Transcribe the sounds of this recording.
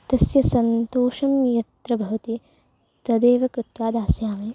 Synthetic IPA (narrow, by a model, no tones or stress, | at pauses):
t̪ɐsjɐsɐnt̪oːʂɐmjɐt̪ɾɐbʱɐʋɐt̪i | t̪ɐd̪eːʋɐkɾɪt̪ʋaːd̪aːsjaːmeː